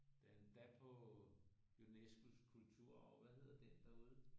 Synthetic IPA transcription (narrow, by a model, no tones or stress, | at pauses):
d̥ed̥æpʰɒ̥̽ | unesɡ̥uskʰult͡sʰuɐ̰ɒʋæhe̝ð̞̰ˠɐd̥end̥æɐuð̞ˠə